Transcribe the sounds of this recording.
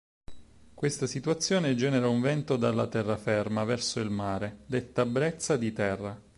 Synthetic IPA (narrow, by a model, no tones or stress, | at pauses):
kwest̪asit̪uat̪sːjoːned͡ʒɛːneɾauɱvɛnt̪od̪alːat̪ɛrːafɛrmavɛrsoilmaːɾed̪et̪ːabɾɛt̪sːad̪it̪ɛrːa